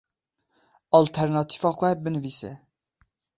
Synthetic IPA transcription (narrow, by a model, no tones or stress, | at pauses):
ɑlt̪ʰɛɾnɑt̪ʰi̥vɑːxʷɛbɨnɨviːsɛ